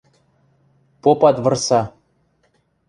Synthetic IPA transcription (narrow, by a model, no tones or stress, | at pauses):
popɑt̪vɤ̆rsɑ